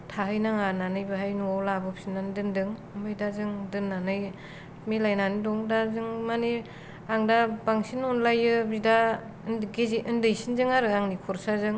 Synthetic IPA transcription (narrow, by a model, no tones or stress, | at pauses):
tʰaɦɯjnaŋananɯjbɯɦajnuawlabɯp̚sinandɯndɯŋ | mbɯjdazɯŋdɯnːanɯj | milajnanidɔŋdazɯŋmani | aŋdabaŋsinɔnlajɯbida | nɡeziʔɯndɯjsinzɯŋaɾɯaŋnikʰɔɾsazɯŋ